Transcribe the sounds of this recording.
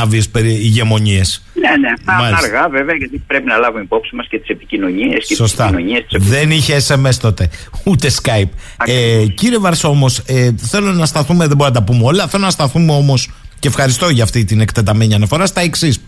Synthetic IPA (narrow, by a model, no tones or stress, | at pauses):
ɐviespeɾiʝe̞mo̞ɲie̞snenet̪ɐmɐɐɾɣɐve̞veɐʝɐt̪ipɾe̞pinɐlɐvumeipo̞psimɐscet̪i̥se̞pi̥cino̞ɲieskeso̞st̪ɐnoɲiest̪i̥seðe̞niçeːse̞me̞st̪o̞t̪eut̪e̞skɐjpɐeciɾie̞vɐɾso̞moseθe̞lonɐst̪ɐθume̞ðeboɾinɐt̪ɐpumeo̞lɐθlonɐst̪ɐθume̞o̞mo̞sce̞fxɐɾist̪o̞ʝɐːft̪it̪inekt̪et̪ɐme̞ɲiɐnɐfo̞ɾɐst̪ɐeksis